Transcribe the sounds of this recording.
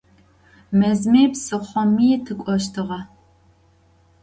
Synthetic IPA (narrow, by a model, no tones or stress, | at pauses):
mɐzmeːpsɨχʷɔmiːtʰɨkʷʼɔʃ̬tʰɨʁɐ